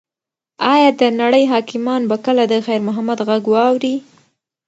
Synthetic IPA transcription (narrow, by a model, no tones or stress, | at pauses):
ɑjɑd̪ənaɽəjɦɑkɪmɑnbakəlad̪əxajɾmʊɦamad̪ɣaɡwɑwɾi